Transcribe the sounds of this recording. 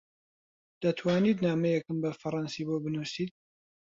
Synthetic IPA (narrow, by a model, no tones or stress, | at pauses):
d̪̥ɐt̪ʰwaːniːt̪naːmɐjɛkɨmbɐfɐɾˤɑnsiːbobɨnusiːt̪̚